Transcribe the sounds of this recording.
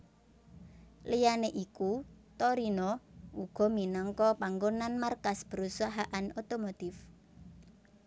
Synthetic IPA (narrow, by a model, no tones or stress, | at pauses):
lijaneʔikut̪oɾinɔuɡ̥ɔ̤minɔŋkɔpaŋɡonanmarkasb̥ə̤ɾusaɦaʔanot̪omot̪ɪf